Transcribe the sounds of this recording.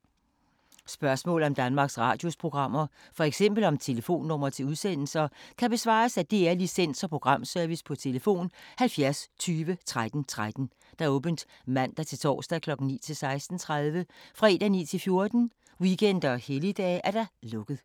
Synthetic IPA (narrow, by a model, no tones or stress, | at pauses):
sb̥ɶɐsmɔ̰̽ːlɒ̽md̥ænmɑ̈ːɡ̥sʁɑ̰̈ːd̥jo̝spʰʁo̝ɡ̥ʁɑ̈m̰ɐ | fɒ̽eɡ̥sem̰b̥l̩ɒ̽mt͡sʰe̝ləfo̝̰ːnːɔ̽m̰ɐt͡sʰe̝luðˠsen̰l̩sɐkʰæb̥e̝sʋɑ̰̈ːsæd̥e̝æɐlisen̰sɒ̽pʰʁo̝ɡ̥ʁɑ̈m̰sœɐʋispʰɒ̽t͡sʰe̝ləfo̝̰ːnhælfjæɐst͡sʰyːʋət͡sʰʁad̥n̩t͡sʰʁad̥n̩ | d̥ɑɔ̽ːb̥ənd̥ | mæn̰d̥ɑt͡sʰe̝lt͡sʰɒ̰ːsd̥ækʰlɒ̽ɡ̥n̩nḭːt͡sʰe̝lsɑ̈ɪsd̥n̩t͡sʰʁað̞ˠʋəfʁɑ̈e̝d̥ænḭːt͡sʰe̝lfjo̝ɐd̥n̩ | wiɡʰen̰d̥ɐɒhelid̥ɛ̰ːʔæɐd̥æ̈lɔ̽ɡ̥ð̞̩ˠ